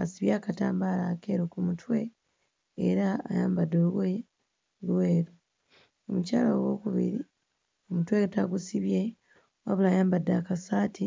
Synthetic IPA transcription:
asiβjaːkata̰ːmbalake̞ɾokumutʰwe̞ː | ɾa̰ːjaːmbadːolwe | lwe̞ːɾu | omucaːlawo̞kuβḭɾi | omutwetaɡusiβje̞ | a̰βulaːjaːmbadːakasaːtʰi

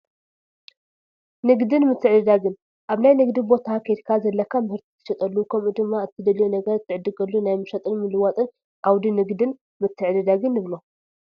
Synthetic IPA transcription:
nɨɡd̪ɨnmɨt̪ʰːɨʕd̪ɨd̪aɡɨn | ʔaβnajnɨɡd̪ibo̞t̪ʰakʰeɾkʰazɐlːɐkʰːamɨhɨɾt̪ʰi̥t̪ʰɨʃɐt̪ʼɐlːukʰɐmʔud̪ɨmːaɨt̪ʰːɨd̪ɐlijunɐɡɐɾɨt̪ʰːɨʕɨd̪ːɨɡɐlːunajmɨʃɐt̪ʼɨnmɨlɨwat̪ʼɨn | ʔawd̪inɨɡd̪ɨn | mɨt̪ʰːɨʕd̪ɨd̪aɡɨnːɨβlo

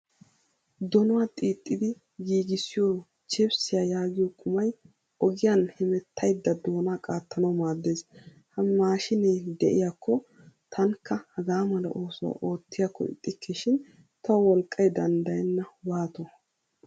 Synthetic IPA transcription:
d̪ɔnɔwat̪ʼiːt̪ʼːɪd̪ɪ | ɡiːɡɪsːɪjo | t͡ʃɪbsɪjajaːɡɪjɔkʼʊmɐj | ɔɡɪjɐnhɪmɛt̪ːɐjd̪ːɐd̪o̞ːnaːkʼaːt̪ʰːɐnɐwmaːd̪ːeːs | hɐmːaːʃɪneːd̪ɛʔɪjakʰːɔ | t̪ʰɐŋkːɐhɐɡaːmɐlɐ̰ʔoːsɔwa̰ʔo̞ːt̪ːɪjakːɔ̰ɪ̰t̪ʼːɪkʰːɛʃɪn | t̪ɐwwɔlkʼːɐjd̪ɐnd̪ɐjɛnːɐwaːt̪ɔ

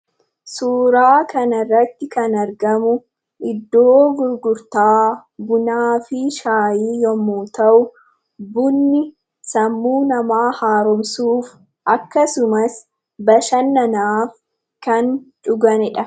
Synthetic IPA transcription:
suːɾaːkɐnɐrːɐt̪ːɪkɐnɐɾɡɐmʊ | ʔɪd̪ːoːɡʊɾɡʊɾt̪aːbʊnaːfɪʃaːjiːjɔmːuːt̪ɐʔʊ | bʊnːɪ | sɐmːuːnɐmaːhaːɾɔmsuːf | ʔɐkːɐsʊmɐs | bɐʃɐnːɐnaːf | kɐnt͡ʃʼʊɡɐnɪᶑɐ

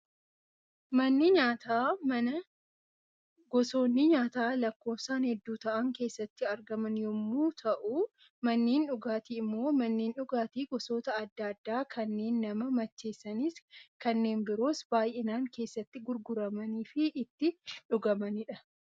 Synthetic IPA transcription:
mɐnːɪɲaːt̪aːmɐnɐ | ɡɔso̞ːnːɪɲaːt̪aːlɐkːo̞ːfsaːnhɛd̪ːuːt̪ɐʔɐŋke̞ːsːɐt̪ːɪɐɾɡɐmɐnjɔmːuːt̪ʰɐʔu | mɐnːeːnᶑʊɡaːt̪iːɪmːo̞ːmɐnːeːnᶑʊɡaːt̪iːɡɔso̞ːt̪ɐːd̪ːɐd̪ːaːkʰɐnːe̞ːnːɐmɐmɐt͡ʃːe̞ːsːɐniskɐnːe̞ːnbɪɾoːsb̥aːjʔenaːŋke̞ːsːɐt̪ːɪɡʊɾɡʊɾɐmɐniːfɪʔːt̪ːɪᶑʊɡɐmɐnɪᶑɐ

